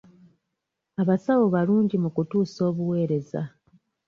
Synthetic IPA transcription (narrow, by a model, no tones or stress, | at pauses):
aβasawo̞βaluːɲɟimukutuːso̞ːβuwe̞ːɾe̞za̰